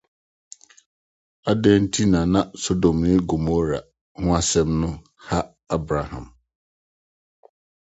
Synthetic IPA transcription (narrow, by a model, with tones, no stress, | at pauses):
a˦dɛ̃˦n̩˦tʰi˦nãː˨nã˦so˦do˨mnɪ̃˦ɡo˨mo˦ɾa˨ | hʊ̃˦a˦sɛ̃˦mnʊ̃˦ | ha˦ | a˦bɾa˨hã̰˨m